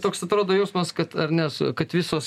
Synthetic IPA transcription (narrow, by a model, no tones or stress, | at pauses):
t̪oːksɐt̪ɾoːd̪oːjɛʊsmɐskɐt̪ɐrnʲɛskɐt̪ʋʲɪsoːs